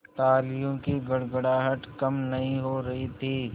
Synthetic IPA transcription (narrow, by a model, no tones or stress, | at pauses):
t̪aːlɪjõkiɡɐɽɡəɽaːɦəʈkɐmnɐɦĩɦoɾɐɦit̪ʰiː